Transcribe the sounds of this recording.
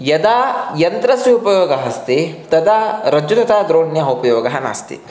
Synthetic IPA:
jɐd̪ajɐnt̪ɾɐsʋjiupɐjoːɡɐɦɐst̪it̪ɐd̪aɾɐd͡ʒut̪ɐt̪ɐd̪ɾoːɳjɐupɐjɔːɡɐɦɐna̰ːst̪ḭ

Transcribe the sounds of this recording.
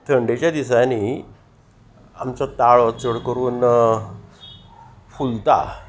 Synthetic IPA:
t̪ʰəɳɖet͡ɕjad̪isani | amt͡ɕat̪aɭt͡səɽkəɾuːn | fult̪a̰

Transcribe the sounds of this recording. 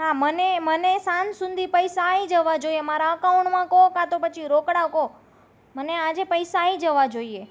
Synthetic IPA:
ɦamənemənesansũnd̪ʱipəjsaid͡ʒəʋad͡ʒoiemaɾaəkauɳɳʈmãkokat̪opət͡ʃʰiɾokɽako | mənead͡ʒepəjsaid͡ʒəʋad͡ʒoie

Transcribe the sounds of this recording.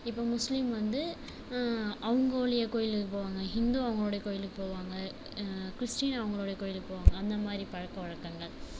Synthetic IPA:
ɪpːoːmʊslɪmʋɐnd̪ɯ | ɐʋɐŋɡɐoːɭɐjɐkoːjɪlɯkːɯpoːʋaːŋɡɐɦɪnd̪uːɐʋɐŋɡɐɭoːɽɐjɐkoːjɪlɯkːɯpoːʋaːŋɡɐ | kɪɾɪsʈiːnɐʋɐŋɡɐɭoːɽɐjɐkoːjɪlɯkːɯpoːʋaːŋɡɐːnd̪ɐmaːd̪ɾipɐɻɐkːɐʋɐɻɐkːɐŋɡɐɭ

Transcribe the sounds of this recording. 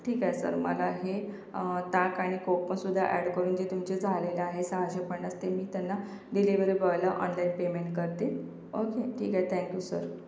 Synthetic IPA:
ʈʰiːkajsə̰ɾmə̰laɦe | t̪akaɽ̃ikopəsud̪ʱːa̰ʔæɽkəɾuːnd͡ʑet̪umt͡ɕed͡zʱaleleaɦesəɦaɕepəɳəst̪emiːt̪janːa | ɖiliʋəɾibəʋlaʔɔ̰nlainpemeɳʈkəɾt̪e | okeʈʰḭːkaet̪ʰɛ̃ŋkjuːsə̰ɾ

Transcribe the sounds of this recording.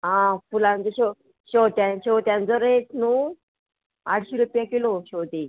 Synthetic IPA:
ɦãfulãnt͡səɕɔ | ɕɔt̪jãɕɔwt̪jãnt͡sɔɾet͡snuː | aʈʰɕiːɾupjakiloɕowt̪i

